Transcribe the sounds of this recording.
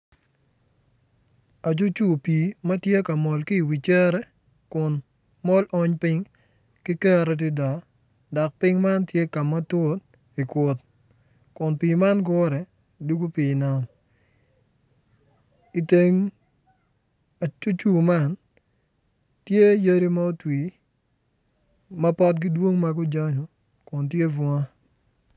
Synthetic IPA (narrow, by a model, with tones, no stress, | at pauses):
a˨t͡ʃu˦t͡ʃu˦piː˨mɐ˦tje˦ka˨mɔ˨lkɪ˦˨wi˨t͡ʃɛ˦ɾɛ˦ | kʊ˨n | mɔ˦lʔɔ˦ɲpɪ˦ŋ | kɪ˦kɛ˦ɾɛ˦d̬ɪ˦da˨ | dɔ˨k̚pɪ˦ŋma˦ntje˦ka˨ma˦two˦t̪̚ | i˨kʷo˨t̪̚ | kʊ˨npiː˨ma˦nɡ̬o˦ɾɛ˨ | du˦ɡo˦pi˨na˨m | i˨te˦ŋ | a˨t͡ʃu˦t͡ʃu˨ma˦˨n | tje˦je˦ɾi˦ma˦o˦twi˨ | mɐ˦pɔ˦t̚ɡɪ˦dwo˦ŋma˦ɡʊ˦d͡ʒa˦ɲo˨ | kʊ˨ntje˦vɔ˦a˦